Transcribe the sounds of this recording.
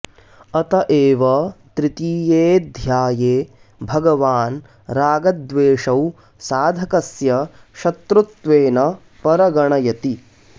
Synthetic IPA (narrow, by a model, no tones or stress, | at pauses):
ɐt̪ɐʔeːʋɐt̪ɾit̪iːjeːd̪ʱjaːjeː | bʱɐɡɐʋaːn | ɾaːɡɐd̪ʋeːʂɐw | saːd̪ʱɐkɐsjɐ | ʃɐt̪ɾut̪ʋeːnɐ | pɐɾɐɡɐɳɐjɐt̪i